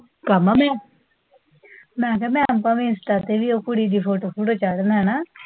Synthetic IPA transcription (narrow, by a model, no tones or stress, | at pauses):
kamaːmɛ̃ː | mɛ̃ːk̬ɛːmɛ̃ːəmpãːʋiːɪnsʈaːt̪eːʋiːoːkʊɽiːd̪iːpʰoːʈoːpʰuʈoːt͡ʃaːɽənɦɛ̃ːnaː